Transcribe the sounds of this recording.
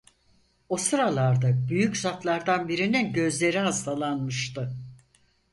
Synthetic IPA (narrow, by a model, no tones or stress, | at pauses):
osɯɾalˠaɾd̪abyjyczat̪lˠaɾd̪anbiɾininɟø̞zlʲe̞ɾiɦast̪ʰalˠanmɯʃt̪ɯ